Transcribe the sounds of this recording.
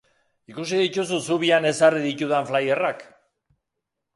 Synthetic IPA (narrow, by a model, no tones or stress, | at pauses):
ikusiðic̪ususuβiane̞sariðicuðaɱflajerak